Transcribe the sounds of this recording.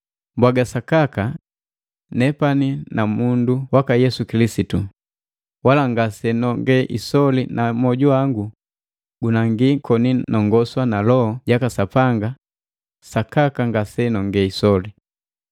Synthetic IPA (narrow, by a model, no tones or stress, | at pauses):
mbwaɡasakaka | nɛpaninamunduwakajɛsukilisitu | walaŋɡasɛnɔŋɡɛʔḭsɔlinʔamɔɟuaŋɡu | ɡunaŋɡikʰɔninɔŋɡɔswanalɔɔɟakasapaŋɡa | sakakaŋɡasɛnɔŋɡɛisɔli